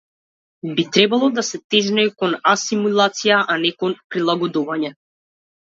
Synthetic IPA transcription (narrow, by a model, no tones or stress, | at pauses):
bit̪ɾɛbalˠɔd̪asɛt̪ɛʒnɛkɔnasimulˠat̪sijaʔanɛkɔnpɾilˠaɡɔd̪uvaɲɛ